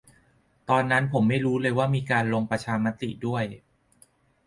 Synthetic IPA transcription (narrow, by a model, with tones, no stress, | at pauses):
t̪ɔː˧nːa˦˥npʰo˩˦mːa˥˩jɾuː˦˥lɤː˧jwaː˥˩miː˧kaː˧nlo˧ŋpɾa˧t͡ɕʰaː˧ma˦˥t̪i˨˩du˥˩əj